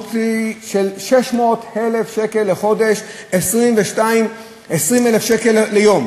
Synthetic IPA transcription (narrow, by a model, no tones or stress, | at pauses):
tiʃelʃeʃmo̞t̪helefʃeke̞lːeχo̞de̞ʃ | esʁimveʃtaim | esʁimelefʃekelːejo̞m